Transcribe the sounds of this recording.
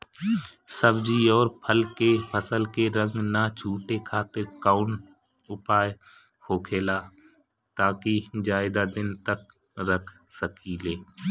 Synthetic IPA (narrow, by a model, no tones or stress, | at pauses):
səbd͡ʒiɔːɾpʰəlkepʰəsəlkeɾə̃ŋɡnat͡ʃʰuːʈekʰaːt̪eɾkaːʊn | ʊpaːj | hoːkʰeːlaː | t̪aːkid͡ʒaːɪd̪ad̪ɪnt̪ək | ɾəkʰsəkileː